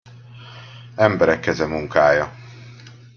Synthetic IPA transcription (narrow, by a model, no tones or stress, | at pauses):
ɛmbɛɾɛkːɛzɛmuŋkaːjɒ